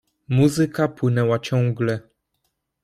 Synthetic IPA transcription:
muzɘkapwɘnɛwat͡ɕɔ̃ŋɡlɛ

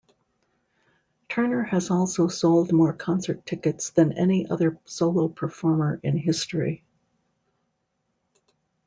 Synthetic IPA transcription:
tʰɜ˞nə˞ɨzɔlˠsoʊsoʊlˠd̚mɔɹkʰɑ̃nsə˞tʰɪkɨtsðɨ̃nɛ̰niʔʌ̰ðə˞soʊlˠoʊpʰə˞fɔɹmə˞ʔɪ̃nɦɪstɹ̥ḭ

